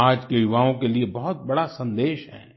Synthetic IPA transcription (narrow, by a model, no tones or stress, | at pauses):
aːd͡ʒkejʊʋaːõkeliebɔɦʊt̪̚bɐɽasɐ̃nd̪eːʃɦɛ̰̃ː